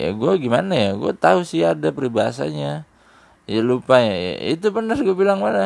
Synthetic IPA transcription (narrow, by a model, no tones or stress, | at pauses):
ja̰ɡuaɡimanajaɡuat̪ausiadapəɾibaa̰sa̰ɲa | jalupajaja̰ḭt̪ubənərɡuabilaŋbana